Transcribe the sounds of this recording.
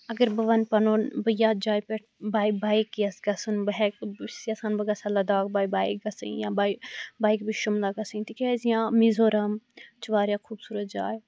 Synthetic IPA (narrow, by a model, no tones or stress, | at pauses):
ɐɡəɾbɐʋɐnpɐnoːnbɐjaːd͡ʒaːjpɛʈ̚ʰbaːjbaːikːjɐsɡɐsunbɐɦɛksɐsaːnbɐɡɐsalɐd̪aːk̚baːibaːikɡɐsə̰jãːbaːjbaːjkbiʃʊmlaɡɐsɨnt̪ikɛːzijãːmizoːɾɐmt͡ʃʰiʋaːɾjakʰuːbsuːɾət̪̚d͡ʒaːj